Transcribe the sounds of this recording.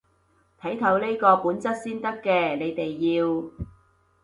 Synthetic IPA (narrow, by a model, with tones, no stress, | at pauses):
t̪ʰɐ˨˥jt̪ʰɐ˨˥wle˥jkɔː˧puː˨˥nt͡sɐ˥t̚siː˥nt̪ɐ˥kːɛː˧ne˨˧jt̪e˨jːiː˧w